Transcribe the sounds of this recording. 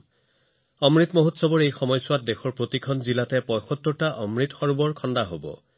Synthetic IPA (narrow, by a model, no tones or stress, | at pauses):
ɔmɹitmoɦutsɔbɔɹejxɔmɔjsʊwat̚dexɔɹpɹotikʰɔnzilatɛpɔjxɔtːɔɹtaʔɔmɹitxɔɹubɔɹkʰɔndaɦobɔ̰